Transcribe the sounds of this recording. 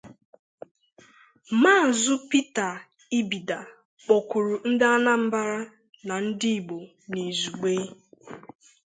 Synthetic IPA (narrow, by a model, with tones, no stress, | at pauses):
ma˦˨zʊ˦pi˦ta˨ | i˦bi˨da˨ | k͡pɔ˨ku˨ɾu˨n̩˦dɪ˦a˦na˦m̩˦ba˦ɾa˦ | na˨n̩˦dɪ˦i˨ɡ͡bo˨ | ne˨zu˨ɡ͡be˦